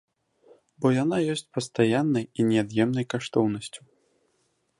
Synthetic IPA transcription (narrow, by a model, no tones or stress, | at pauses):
bɔjanajɔsʲt͡sʲpɐst̪ajanːɐjinʲɛad̪jɛmnɐjkaʂt̪ɔwnɐsʲt͡sʲu̥